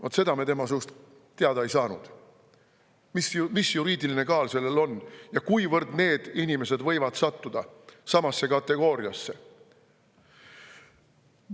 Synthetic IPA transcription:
vɑt̪se̞d̪ɑme̞t̪e̞mɑsust̪ | t̪ːeɑd̪ɑejsɑːnṵd̪̥ | mismisjuɾiːd̪iline̞kɑːlse̞lːelo̞njɑkujvɤrd̪ne̞ːd̪̥inime̞se̞d̪vɤ̞jvɑd̪sɑt̪ːud̪̥ɑsɑmɑsːe̞kɑt̪ːe̞ɡ̥o̞ːɾjɑsːe̞

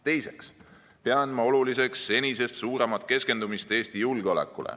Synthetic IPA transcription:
t̪e̞jse̞ks | pe̞ɑnmɑo̞lulise̞ksːe̞nʲise̞st̪suːɾe̞mɑt̪ˑke̞ske̞nd̪̥umist̪e̞ːst̪ijulɡ̥eo̞le̞̰kːˑulḛ

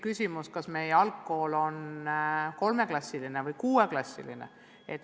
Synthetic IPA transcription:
kysʲimuskɑsme̞jeɑlkːˑo̞ːlo̞n | ko̞lme̞klɑsʲːiline̞vɤjkuːe̞klɑsʲːḭlinḛ | et̪

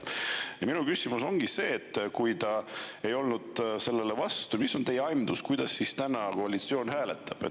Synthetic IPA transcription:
jɑminukysimuso̞ŋɡ̥ise̞ːt̪ːkujt̪ɑe̞jo̞lnud̪̥se̞lːe̞le̞vɑst̪umiso̞nt̪e̞jeɑjmd̪uskujd̪̥ɑsːist̪ænɑko̞ɑlit̪sio̞ːnɦæːle̞t̪ːˑɑb̥e

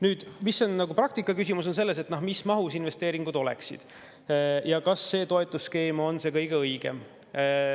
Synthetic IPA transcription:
nyːd̪̥misːo̞nːɑɡuprɑk̚t̪ikːˑɑkysimus̬onse̞lːe̞s̬et̪ːnohmismɑɦusinve̞st̪e̞ːɾiŋɡ̥ud̪o̞lḛksḭd̪̥ | jɑkɑsːe̞ːt̪o̞e̞t̪ːˑuske̞ːmo̞nse̞ːkɤjɡeɤjɡ̥e̞̰m

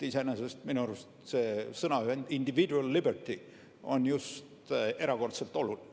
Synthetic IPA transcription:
isenesest̪minuɑɾust̪seːsɤnɑyhend̪̥ind̪̥ivid̪uɑlːibert̪i | o̞njust̪e̞ɾɑko̞rt̪se̞lt̪ˑo̞luli

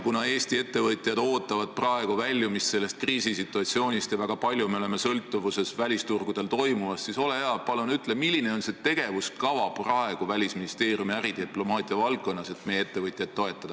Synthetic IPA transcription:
kunɑe̞ːst̪ie̞t̪ːe̞vɤt̪ˑjɑd̪̥o̞ːt̪ːˑɑvɑd̪̥̚prɑe̞ɡ̥uvælʲːjumisːe̞lːe̞st̪̚kriːsisit̪ːˑuɑt̪sio̞ːnʲist̪jɑvæɡ̥ɑpɑlʲjume̞ole̞me̞sɤlt̪ːˑuvuse̞svælʲist̪urɡ̥ud̪̥e̞lt̪o̞jmumɑssiso̞leheɑpɑlunyt̪ːˑlemilʲːine̞o̞nse̞t̪e̞ɡ̥e̞vuskɑvɑprɑe̞ɡ̥uvælʲisminist̪e̞ːriumiæɾid̪̥iplo̞mɑːt̪ˑiɑvɑlk̚kːˑo̞nːɑse̞t̪mejeet̪ːe̞vɤjt̪ʲˑjɑd̪̚t̪ːo̞e̞t̪ːˑɑd̪̥ɑ

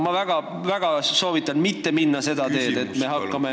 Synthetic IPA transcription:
mɑvæɡ̥ɑ | væɡ̥ɑso̞ːvit̪ːˑɑnmit̪ːe̞minːɑse̞d̪ɑt̪e̞ːd̪e̞t̪ːˑme̞ɦɑkːɑme̞

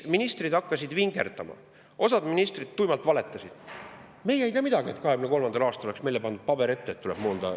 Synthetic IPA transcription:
minist̪rid̪̥ɑkːɑsʲid̪viŋɡ̥e̞̰rd̪̥ɑmɑ̰ | ʔo̞sɑd̪minist̪rid̪̥̚t̪ujmɑlt̪vɑle̞t̪ːˑɑsid̪̥ | me̞jejt̪iɑmid̪̥ɑɡie̞t̪ːkɑhe̞ɡymneko̞lmɑnd̪ɑlɑːst̪ɑlolesme̞jlepɑnd̪ud̥̪̚pɑbe̞ɾe̞t̪ːet̪ːuleb̥moːnd̪̥ɑ̰

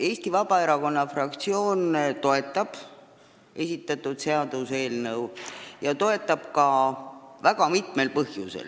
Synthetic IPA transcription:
e̞ːsʲt̪ivɑb̥ɑe̞ɾɑko̞nːɑfrɑk̚t̪sio̞ːnt̪o̞e̞t̪ːˑɑb̥ | e̞sʲit̪ːˑɑt̪ːˑud̪̥se̞ɑd̪̥use̞ːlnɤwjɑt̪o̞e̞t̪ːˑɑb̥kɑ | væɡɑmit̪me̞lpɤhjusḛl

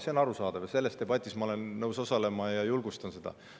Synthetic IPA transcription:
seonɑɾusɑːd̪̥ɑvjɑse̞lːe̞st̪e̞b̥ɑt̪ʲːˑismɑoe̞nːɤwso̞sɑle̞mɑjɑjulɡ̥ust̪ɑnsed̪̥ɑ̰

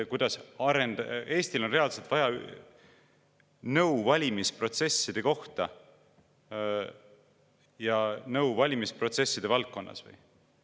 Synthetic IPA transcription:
kujd̪̥ɑsɑɾe̞nd̪e̞ːsʲt̪ilo̞nre̞ɑlse̞lt̪vɑjɑ | nɤwvɑlʲimispro̞t̪se̞sːid̪̥e̞ko̞ht̪ɑ | jɑnɤwvɑlʲimispro̞t̪se̞sːid̪̥evɑlt̪̚ko̞nːɑ̰svɤ̰j

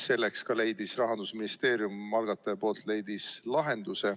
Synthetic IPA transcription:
se̞lːekskɑle̞jd̪̥isrɑɦɑnd̪̥usminist̪e̞ːɾjumːɑlɡ̥ɑt̪ːˑɑpo̞ːlt̪ˑle̞jd̪̥islɑɦe̞nd̪̥use̞

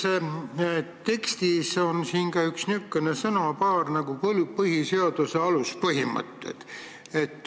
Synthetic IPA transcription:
se | t̪e̞kst̪iso̞nsiːnkɑyksnykːenesɤnɑpɑːrnɑɡ̥uplpɤhise̞od̪̥use̞ɑluspɤɦimə̰t̪ːˑḛt̪ | et̪ːˑ

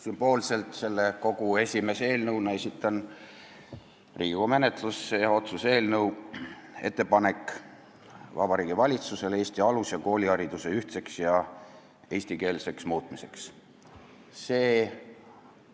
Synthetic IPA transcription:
symb̥o̞ːlse̞lt̪ˑse̞lːe̞ko̞ɡue̞sʲime̞se̞ːlnɤwnɑesit̪ˑːɑn | riːɡume̞net̪lusːejɑo̞t̪suse̞ːlnɤw | e̞̰t̪ːe̞pɑne̞kˑː | vɑbɑɾiːɡivɑlʲit̪suse̞le̞ːsʲt̪iɑlusjɑko̞ːlʲiɑɾid̪̥use̞yht̪se̞ksjɑ | e̞ːsʲt̪ike̞ːlse̞ksmuːt̪ˑmise̞ks | se̞ː

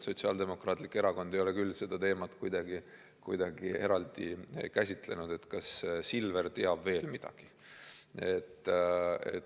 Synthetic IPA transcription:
so̞t̪ʲsiɑ̰ːld̪e̞mo̞krɑːt̪ˑlikːe̞ɾɑko̞nd̪ejo̞le̞kylːse̞d̪̥ɑt̪e̞ːmɑt̪kujd̪̥ɑɡi | kujd̪̥ɑɡ̥ie̞ɾɑld̪̥ikæsʲit̪ˑle̞̰nud̪̥e̞t̪kɑssilve̞ɾt̪e̞ɑbve̞ːlmid̪̥ɑ̰ɡ̥i̥ | e̞t̪ːˑ | ḛ

